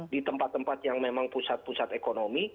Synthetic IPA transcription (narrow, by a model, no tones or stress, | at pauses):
dit̪əmpat̪ːəmpat̪̚jaŋmemaŋpusat̪̚pusat̪ekonomi